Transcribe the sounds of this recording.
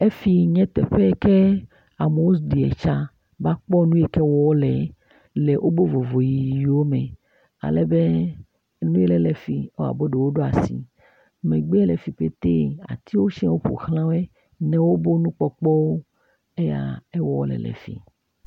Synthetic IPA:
e˦fi˨ɲɛ̃˦t̪ɛ̰˨ɸe˦kɛ˦ | a˨me˨wo˦sdi˨ɛ̰˨t͡ʃa˦ | ba˦k͡pɔ˦nũ˦ɛ˨kɛ˦wɔ˦wɔ˦lɛ˨˦ | lɛ˨ʔo˦bo˦vo˨vo˨jii˨ji˨wo˦mɛ̃˨ | a̰˨lɛ˦be˦ | nũ˦ɛ˦lɛ˨lɛ˨fi˨o˦a̰˨bo˦ɖe˨wo˦ɖo˦a̰˨sḭ˨ | mɛ̃˨ɡ͡be˦ɛ˦lɛ˨fi˨ɸe˦t̪ḛ˦a̰˨t̪i˦wo˦ʃĩ˦wo˦ɸo̰˨xlã˦wɛ˦ | nɛ̃˨wo˦bo˦nũ˦k͡pɔ˨k͡pɔ˦wo˦ | e˦ja̰˨ɛ˦wɔ˦wo̰˦lɛ̰˨lɛ̰˨fḭ˨

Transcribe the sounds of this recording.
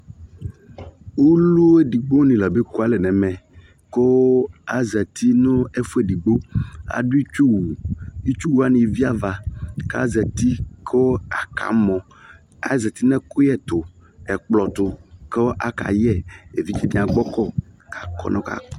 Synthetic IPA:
wu˦lu˦e˦di˨ɡ͡bo˦nĩ˨lɛ˨be˦ku˦a˦lɛ˨nɛ̃˨mɛ̃˨ | ko˦a˨zɛ˨t̪ʰi˦no˦e˦fu˦e˨di˨ɡ͡bo˦a̰˨ɖu˦i˦t͡ʃu˦wu˨i˦t͡ʃu˦wu˦a˦nĩ˨vi˦a˦va˨ka̰˦zɛ˨t̪i˦kʰo˦a˨ka̰˨mɔ̃˨ | a̰˦zɛ˨t̪i˦nɛ̃˦ko˦jɛ˦t̪ʊ˨ɛ˨k͡plɔ˨t̪ʊ˨ke˦ʔa˦ka̰˨jɛ˦e˨vi˦t͡ʃɛ˦˨mĩ˦˨a˨ɡ͡bɔ˦kɔ˦˨ka˨kɔ̰˦nɔ̃˦ka̰˨

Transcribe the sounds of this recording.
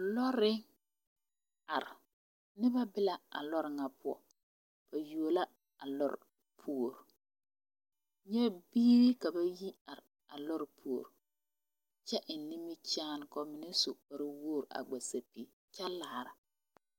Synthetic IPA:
lɔ˦ɾɪ˦ | a˨ɾɪ˨ | nɪ˦ba˦bɪ˦la˦a̰˨lɔ˦ɾɪ˨ŋa˨pʊ˦ɔ̰˨ | b̥a˨ju˨o˨la˦ | a˨lɔ̰˦ɾɪ̰˨ | pʰu˦o˨ɾ | ɲɛ˦biː˦ɾi˦ka˨ba˦ji˦a˨ɾɪ˨ | a˨lɔ˦ɾɪ˨pʰu˨o˨ɾ | t͡ʃɛ˦ʔɪ˨n˨ni˦mi˦t͡ʃaː˦n˨kɔ˨˦mɪ˨nɛ˦so˨ba˨ɾɪ˦wo˦˨ɾa̰˨ɡ͡ba˨sa˨pi˨ | t͡ʃa˦laː˨ɾa˨

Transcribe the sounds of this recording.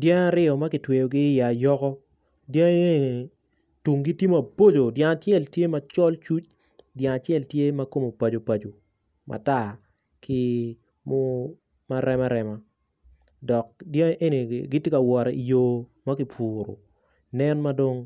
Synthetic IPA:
djã˦ŋa˦ɾɪ˦ɔ˨ma˦kɪ˨twe˨o˨ɡɪː˦ja˨jɔ˦kɔ˦ | djã˦ŋe˦˨ | tu˨ŋɡi˦ti˦ma˨bo˦d͡ʒo˨dja˦ŋa˨tjɛ˦˨ltje˦ma˦t͡ʃɔ˦lt͡ʃu˦t͡ʃ | djã˨ŋa˨t͡ʃɛ˦˨ltje˦ma˦ko˦mo˨pa˨d͡ʒo˨pa˨d͡ʒo˨ | mʔa̰˨ta˦˨ | kʰɪ˦ | mo˦ | ma˦ɾɛ˦ma˦ɾɛ˨ma˦ | dɔ˨k̚djã˦ŋʔe˦ni˨ɡɪ˦tje˦ka˨wɔ˨ɾɛ˨i˨joː˦ma˦kɪ˨pʰuː˨ɾo̰˨ | nɛ˦nma˦do˦ŋ

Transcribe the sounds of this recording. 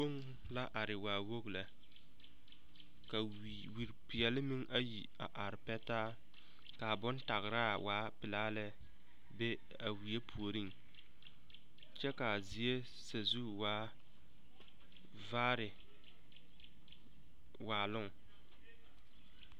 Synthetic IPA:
ko˦ŋ | la˦ʔa˨ɾɪ˨waː˨wo˦ɣla˨ | ka˨ | wi˨ɾpɪ˨jɛ˨lɪ˦mɪ˦ŋʔa˦ji˨ | a̰˨ʔa˨ɾɪ˨pɛ˦taː˦ | ka˨bʊ˦nta˨ɣɪ˨ɾa˦waː˨˦pɪ˨laː˦lɛ˦ | be˦ | a˨wi˨je˦pʰu˨o˨ɾi˦ŋ | t͡ʃɛ˦ka˨zi˨e˦ | sa˨zu˦waː˦ | vaː˦ɾɪ˨ | waː˨lʊ˦ŋ˨

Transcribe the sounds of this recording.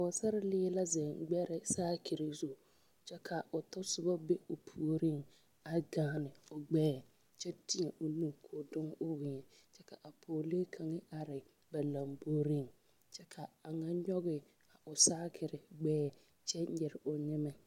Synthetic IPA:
a˨ʊ˨sa˦ɾɪ˦lɪː˦la˦zɛ˨ŋɡ͡bɛ˦ɾɪ˨saː˦kʰɪ˨ɾɪ˨zu˦˨ | t͡ʃɛ˦kʰa˨ʊ˨tɔ˦sʊ˨ba˦be˦ʊ˨pʰu˦˨o˨ɾi˦ŋ | a˨ɡaː˦nɪ˨ʊ˨ɡ͡bɛː˦˨ | t͡ʃɛ˦ti˦ɛ˨ʔʊ˨nu˦kʰoː˨dʊ˦ŋʊ˦wɪ˨ɲɛ˨ | t͡ʃɛ˦ka˨ʔa˨pʰoː˨le˦kʰa˨ŋɪ˦a˨ɾɪ˨ | ba˨la˨mboː˦ɾi˦ŋ | t͡ʃɛ˦kʰa˨a˨ŋa˦ɲɔ˦ɣɪ˦ | a˨ʔʊ˨saː˦kʰɪ˨ɾɪ˨ɡ͡bɛː˦˨ | t͡ʃɛ˦ɛ˨ɾɪ˨ʔʊ˨ɲɪ˦mɛ˦

